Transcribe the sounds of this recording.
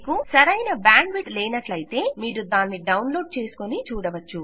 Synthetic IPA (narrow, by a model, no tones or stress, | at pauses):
kusɐɾɐjnɐbaːɳɖʋiʈlɛːnɐʈlɐjt̪e̞ːmiːɾud̪aːnːiɖɐwnlo̞ːɖ̚t͡ʃe̞ːsu̥konit͡ʃuːɽɐʋɐt͡ʃːu